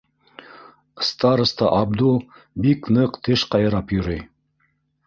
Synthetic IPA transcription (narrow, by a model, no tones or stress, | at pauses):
st̪ɑɾə̆st̪ɑʔɑb̚d̪u | biknɤqt̪ɘʃqɑjɤ̆ɾɑpjŏɾɤj